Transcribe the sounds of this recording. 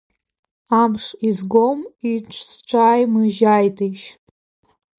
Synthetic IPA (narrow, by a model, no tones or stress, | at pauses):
amʂizɡomiʈ͡ʂʷʰsʈ͡ʂʰaːjmɨʒajtʰeʃ